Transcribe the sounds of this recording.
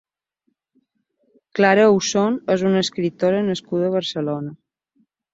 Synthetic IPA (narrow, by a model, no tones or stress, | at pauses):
klaɾəusonɛzunəskɾit̪oɾənəskuðəːβ̞əɾsəlonə